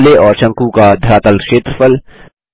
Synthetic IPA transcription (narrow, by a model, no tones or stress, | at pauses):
leʔɔːɾt͡ʃɐ̃ŋkukad̪ʱɐɾaːt̪əlʃeːt̪ɾəfəl